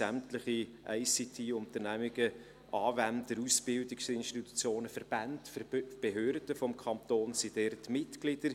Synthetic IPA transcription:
æmtləχiʔɛɪsitʰiːʊnt̪əɾnæmɪɡ̥ə | ʔɑːvændəɾusb̥ɪldɪksɪnʃtitu̥t͡sjoːnəfəɾb̥æntb̥eɦøːrd̥əfɔmkʰɑnt̪oːnsid̥ɛrtmɪtɡ̥lɪd̥əɾ

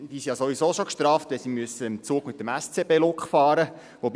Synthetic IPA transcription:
d̥iːsijɑsoʋisoːʃokʃtɾɑːftʋɛsimyəsəɪmt͡suːɡmɪt̪̚ːəmæst͡sebeːlʊkχfɑːɾə | ʋob

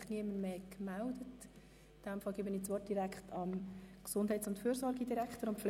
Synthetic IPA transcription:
χniəməɾmeːkmældət | d̥æmfɑlɡiːbəniːt͡sʋɔrt̚d̥iɾækχtʰɑmksʊndhɛɪtt͡sʊntfyːɾzɔɾɡidiɾækχtəɾʊnpfl

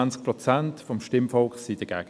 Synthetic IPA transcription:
nt͡sk̚pʁɔt͡santfɔmʃtɪmfɔlksid̥ɐɡ̥ɛ̰ːɡ

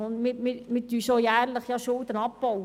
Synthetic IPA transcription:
ʊnd̪mɪmɪɾmɪtyːsojæːɾləχjɑʃʊld̪ənɑpb̥ɔw

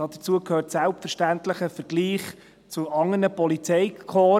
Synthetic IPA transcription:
ɑd̥ət͡suəkʰhøːɾtsælptfəɾʃtænt̪ləχəfəɾɡliːχ | t͡sʊʔɑŋːənəpɔlit͡sɛjkʰoː

